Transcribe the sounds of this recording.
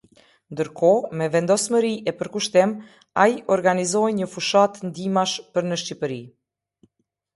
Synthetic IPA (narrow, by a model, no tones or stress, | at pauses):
nd̪əɾkʰɔmɛvɛnd̪ɔsməɾiʔɛpəɾkuʃt̪ɛm | aiʔɔɾɡanizɔjɲəfuʃat̪nd̪imaʃpəɾnəʃcipəɾi